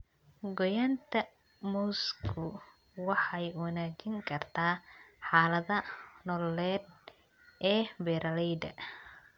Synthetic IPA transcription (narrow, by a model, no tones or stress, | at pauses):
ɡɔjaːnt̪ʰɐ | mɔskʰʊ | wɑħɑjwɑnaːt͡ʃɪŋkʰɐrt̪ʰaːħɑːlɐðɐnɔlɛːd̪̚ | ʔɛːbɛːɾʔɐlɛjd̪ɐ̰